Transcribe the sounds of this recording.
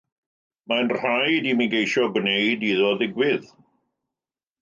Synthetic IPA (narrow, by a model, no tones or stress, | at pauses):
majnrajdiːmiɡejʃɔɡʊnejdiːðɔðɪɡwɪð